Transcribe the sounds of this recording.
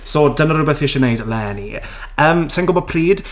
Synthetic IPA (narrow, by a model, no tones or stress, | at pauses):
soːdənəɾʊbɛθiʃɛnejdlɛːnḭ | əːmsɛnɡʊbɔd̚pʰriːd̥